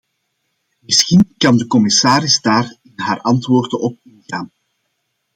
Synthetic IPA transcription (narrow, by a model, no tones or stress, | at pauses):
mɪsxinkɑndəkɔmɪsaːɾɪzdaːrɪnɦaːɾʔɑntʋoːrdənʔɔp̚ɪnɣaːn